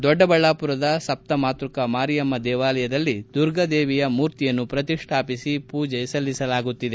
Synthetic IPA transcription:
d̪ɔɖːɐbɐɭːaːpuɾɐd̪ɐsɐp̚t̪ɐmaːt̪ɾukɐmaːɾijɐmːɐd̪ɛːʋaːlɐjɐd̪ɐlːid̪uɾɡɐd̪eːʋijɐmuːɾt̪ijɐnːupɾɐt̪iʂʈʰaːpisipuːd͡ʒɐjɐsɐlːisɐlaːɡut̪ːid̪e̞

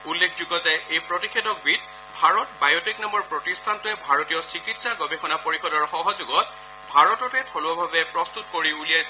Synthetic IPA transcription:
ulːekʰzuɡɔzajejpɹɔtikʰedɔk̚bit̚ | bʱaɹɔtbajɔtiknamɔɹpɹɔtistʰantʊɛbʱaɹɔtijɔsɹikitsaɡɔbʱexɔnapoɹixɔdɔɹxɔɦɔzʊɡɔt̚ | bʱaɹɔtɔtɛtʰɔlɔbʱabɛpɹɔstutkoɹiulijajsɛ

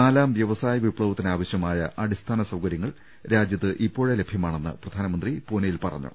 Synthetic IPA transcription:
aːlaːmʋjɐʋɐsaːjɐʋipɭɐʋɐt̪ːinaːʋɐɕjɐmaːjɐʔɐɽist̪ʰaːnɐsɐwkɐɾjɐŋːɐɭ | ɾaːd͡ʑjɐt̪ːɨʔipːo̞ːɻele̞bʱjɐmaːɳenːɨ̰prɐd̪ʱaːnɐmɐnd̪ripoːnɐjilpɐrɐ̰ɲːṵ

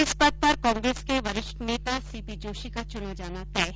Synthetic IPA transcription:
ɪspɐd̪̚pɐɾkɔ̃ːŋɡɾeːskeʋɐɾɪʃʈneːt̪asiːpid͡ʒoːʃikat͡ʃʊnəd͡ʒaːnat̪ɛː

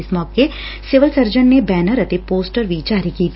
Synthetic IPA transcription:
ɪsmɔːke | sɪʋəlsəɾd͡ʒənːebɛːnəɾət̪epoːsʈəɾʋid͡ʒaːɾikiːt̪

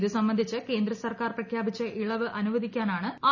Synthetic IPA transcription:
ðɨsɐmbɐnd̪ʱit͡ɕːɨke̞ːnd̪ɾrɐsɐrkaːrprɐkʰjaːbit͡ɕːɐʔiɭɐʋɨʔɐnuʋɐd̪ikʲːaːnaːɳɨaː

